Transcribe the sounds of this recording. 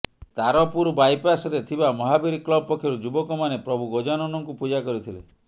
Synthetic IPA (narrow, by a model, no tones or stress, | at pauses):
t̪aɾɔpuɾubajpasɾet̪ʰibamɔɦabiɾiklɔbɔpɔkʰjɔɾud͡ʒubɔkɔmanepɾɔbʱuɡod͡ʒanɔnɔŋkupud͡ʒakɔɾit̪ʰilḛ